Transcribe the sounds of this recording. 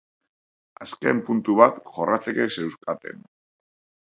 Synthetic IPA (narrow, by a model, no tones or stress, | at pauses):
aske̞̰mpunt̪uβat̪ʝo̞rat͡se̞kese̞wskat̪e̞̰n